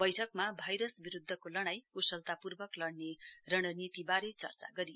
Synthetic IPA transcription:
bʌjʈʰʌkmabʱʌjɾʌsbiɾud̪ʱːʌkolʌɽ̃ajkusʌlt̪apurbʌklʌɽnerʌɽ̃ʌnit̪ibaɾet͡sʌ̰rt͡sa̰ɡʌɾi

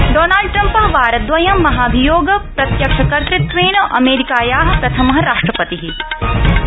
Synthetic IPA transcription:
ɖoːnaːlɖ̚ʈɾɐmpɐɦɐʋaːɾɐt̪ʋɐjɐmːɐɦaːɐbʱijoːɡɐpɾɐt̪jɐkʃɐkɐɾt̪ɾɪt̪ʋeːɳɐʔɐmeːɾikaːjaːɦɐpɾɐt̪ʰɐmɐɦɐɾaːʂʈɾɐpɐt̪iɦi

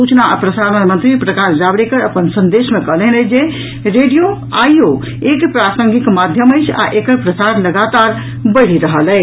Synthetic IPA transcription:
ut͡ʃnaapɾəsaɾənmənt̪ɾipɾəkaɾd͡ʒabɽekəɾəpənsənd̪esmekəɦlɛɦnɛd͡ʒe | ɾeɖijo | ajjo | ekpɾasəŋɡikmad̪ʱjəməjt͡ʃʰa̰ʔekəɾpɾəsaɾləɡat̪aɾ | bəjɽ̤iɾəɦəlɛ

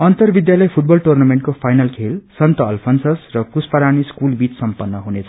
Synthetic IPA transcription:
ʌnt̪ʌrbid̪jalʌjpʰuʈ̚bʌlʈurnameɳʈ̚kopʰajnʌlkʰelsʌnt̪ʌʌlpʰʌnsʌsrʌkuspʌɾaniskulbit͡ssʌmpʌnːʌɦunet͡sʰʌ̥

